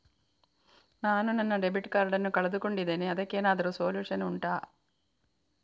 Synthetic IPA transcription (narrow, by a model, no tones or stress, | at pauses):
naːnunɐnːɐɖebiʈːkaːɾɖɐnːukɐɭɐd̪ukoɳɖid̪eːneɐðɐkːeːnaːd̪ɐɾusoːljuːʂɐnuɳʈaː